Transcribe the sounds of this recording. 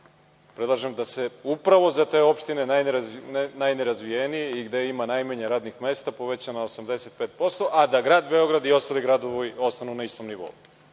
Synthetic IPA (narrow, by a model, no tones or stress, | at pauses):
pɾed̪lˠaʒemd̪ase̞upɾaʋo̞zat̪e̞ːo̞pʃt̪ine̞najnɾnajneɾazʋijenijeiɡd̪eimanajmaɲeɾaːd̪nixme̞ːst̪apo̞ʋet͡ɕanaosamd̪ese̞t̪̚pe̞ːt̪̚po̞st̪o̞ʔad̪aɡɾaːd̪be̞o̞ɡɾad̪io̞st̪aːliɡɾad̪oʋoio̞st̪anunaist̪o̞mniʋo̰u